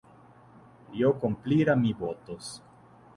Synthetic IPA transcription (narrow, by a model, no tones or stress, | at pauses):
jokompliɾamibot̪os